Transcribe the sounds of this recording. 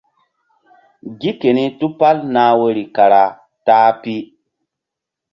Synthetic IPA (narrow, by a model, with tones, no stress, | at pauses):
ɡi˦ke˨ni˦tu˦pa˦lnaː˨˦wə˦ɾi˨ka˨ɾa˨ | taː˦pi˦